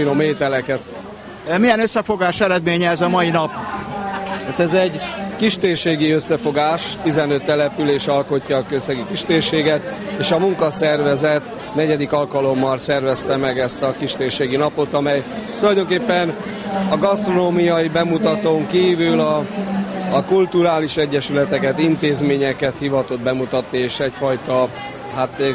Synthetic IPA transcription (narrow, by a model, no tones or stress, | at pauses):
nomeːt̪ɛlɛkɛt̪ | mijɛnøsːɛfo̞ɡaːʃɛɾɛd̪meːɲɛɛzɒmɒjinɒp | hat̪ɛzɛɟkiʃt̪eːrʃeːɡiøsːɛfo̞ɡaːʃt̪izɛnø̞t̪ːɛlɛpyleːʃɒlko̞cːɒːkøsɛɡikiʃt̪eːrʃeːɡɛt̪eːʃɒmuŋkɒsɛrvɛzɛt̪ | nɛɟɛd̪ikɒlkɒlo̞mːɒlsɛrvɛst̪ɛmɛɡɛst̪ɒkiʃt̪eːrʃeːɡinɒpo̞t̪ɒmɛjt̪ulɒjd̪o̞ŋkeːpːɛn | ɒɡɒst̪ro̞noːmijɒibɛmut̪ɒt̪oːŋkiːvylɒː | kult̪uɾaːliʃɛɟːɛʃylɛt̪ɛkɛt̪int̪eːzmeːɲɛkɛt̪hivɒt̪o̞d̪̚bɛmut̪ɒt̪nieːʃɛcfɒjt̪ɒ | ɦaːt̪ː